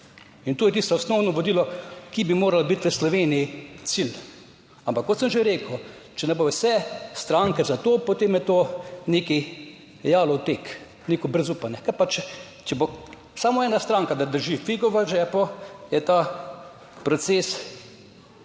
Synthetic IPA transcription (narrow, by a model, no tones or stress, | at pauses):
int̪oːjɛt̪ist̪ɔɔsnɔwnɔʋod̪iːlɔkibimoːɾalabit̪ʋəslɔʋeːniit̪sil | ampakːɔt̪səmʒeɾeːkəw | t͡ʃɛnɛbowsɛst̪ɾaŋkɛzat̪oːpot̪eːmjɛt̪oːneki | jaːlɔwt̪ek | neːkɔbɾɛzuːpanɛkapat͡ʃ | t͡ʃɛbo | samɔɛːnast̪ɾaŋkad̪ad̪əɾʒifiɡɔʋaʒɛːpɔjɛt̪a | pɾɔt̪ses